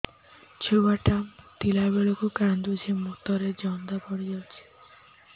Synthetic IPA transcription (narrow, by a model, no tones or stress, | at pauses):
t͡ʃʰubaʈamt̪ilabeɭokukand̪ud͡ʒʰemukt̪ɔɾed͡ʒɔnd̪apɔɽijɔt͡ʃʰi̥